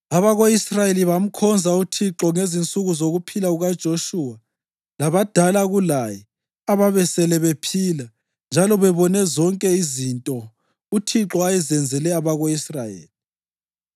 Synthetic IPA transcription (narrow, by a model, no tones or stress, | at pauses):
aβaɣoisrajeliβam̩kʰɔnd͡zʱautʰiǁɔŋezint͡sʼuɣuzoɣupʰilauɣad̥ʒ̥ʱoʃuwa | laβad̥ʱalaɣulajɛ | aβaβɛsɛlɛβepʰiːla | nd͡ʒʱalɔβɛβɔnɛzɔŋkʼɛizintʼɔ | utʰiǁɔajɛzɛnd͡zʱɛlɛaβaɣoisrajḛːli